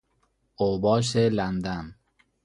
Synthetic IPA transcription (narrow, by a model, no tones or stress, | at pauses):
obɒːʃ̬elænd̪an